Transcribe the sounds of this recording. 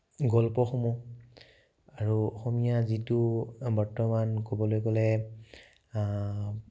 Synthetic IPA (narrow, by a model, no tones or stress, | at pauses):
ɡɔlpɔxɔmu | aɹuɔxɔmijazitubɔɹtɔmankobɔlojkɔlɛ